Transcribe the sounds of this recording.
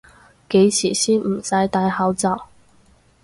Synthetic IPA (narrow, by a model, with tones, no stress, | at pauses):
ke˨˥jt͡sʰiː˨˩siː˥nm̩˨˩sɐ˨˥jt̪aː˧˥jhɐ˨˥wt͡sɐ˨˩w